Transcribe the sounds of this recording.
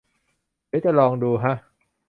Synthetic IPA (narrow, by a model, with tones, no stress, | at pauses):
di˩˦wt͡ɕa˨˩lɔː˧ŋduː˧ɦa˦˥ʔ